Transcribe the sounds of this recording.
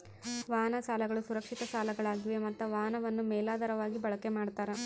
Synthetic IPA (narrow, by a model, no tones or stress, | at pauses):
ʋaːnɐsaːlɐɡɐɭusuɾɐkʂit̪ɐsaːlɐɡɐɭaːɡiʋemɐt̪ːɐʋaːnɐʋɐnːumɛːlaːd̪ɐɾɐʋaːɡibɐɭɐke̞maːɖt̪aːɾe